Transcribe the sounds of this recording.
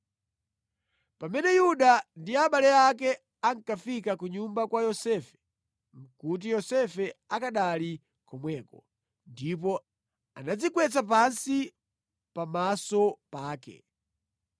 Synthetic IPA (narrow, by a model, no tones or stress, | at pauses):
pamɛnɛjuɗandiaɓalɛak̬ɛ | aŋ̩kafikakuɲumbakwajɔsɛːfɛ̥ | m̩kut̬ijɔsɛfɛakaɗali | kɔmwɛːkɔ | ndip̬ɔ | anad͡zikwɛt͡sap̬ansi | pamasɔpaːkɛ̰